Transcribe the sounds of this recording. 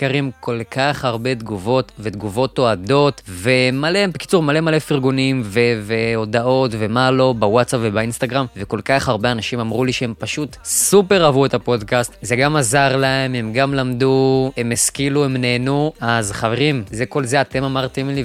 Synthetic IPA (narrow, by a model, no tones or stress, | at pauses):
aʁimko̞lkaχaʁbe̞d̪ɡuvo̞tve̞d̪ɡuvo̞t̪o̞ado̞tve̞malebeki̥t͡suʁmale̞male̞fiʁɡunimveveo̞dao̞tve̞malo̞bawatt͡sapvebainst̪aɡʁamve̞ko̞lkaχaʁbeanaʃimamʁuliʃee̞mpaʃutsupe̞ʁavue̞tapo̞dkast̪zeɡamazaʁlae̞me̞mɡamlamd̪uemeskiluemneːnuazχave̞ʁimze̞ko̞lze̞ate̞mamaʁt̪emli